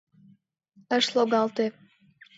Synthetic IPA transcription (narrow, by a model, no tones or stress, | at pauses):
əʃlˠoɡɑlˠt̪e